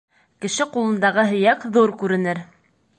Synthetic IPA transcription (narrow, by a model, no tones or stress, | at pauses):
kɘ̆ʃɘqulˠɤ̆nd̪ɑʁɤɦɵ̆jækðuɾkʉɾɘ̆nɘɾ